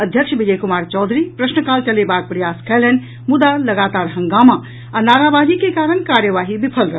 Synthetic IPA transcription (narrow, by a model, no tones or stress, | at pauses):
əd̪ʱjəkʃʰbid͡ʒəjkumaːɾt͡ʃɔːd̪ʱɾipɾəsnəkaːlt͡ʃɐlebaːɡ̚pɾɐjaskʰələn | mud̪alɐɡaːt̪aːɾɦə̃ŋɡaːma | anaːɾabaːd͡ʒikekaːɾənkaːɾjəʋaːɦibipʰəlɾəɦ